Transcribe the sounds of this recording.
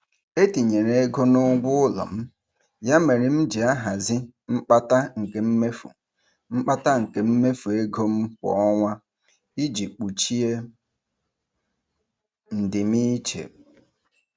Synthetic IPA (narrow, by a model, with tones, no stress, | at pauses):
e˦ti˨ɲe˨ɾe˨e˦ɡo˦nʊ˦ɡʷʊ˦ʊ˦lɔ̰˨m̩˦ | ja˦me˨ɾɪ˨m̩˦d͡ʒi˨a˦ɦa˨zɪ˦ | m̩˦k͡pa˦ta˦ŋ̩˨ke˨m̩˦me˦fṵ˨ | m̩˦k͡pa˦ta˦ŋ̩˨ke˨m̩˦me˦fu˨e˦ɡo˦m̩˦kɔ̰˨ɔ˦ŋʷa˦ | i˦d͡ʒi˨k͡pu˨t͡ʃi˦e˦ | n̩˨dɪ˨mi˦t͡ʃḛ˨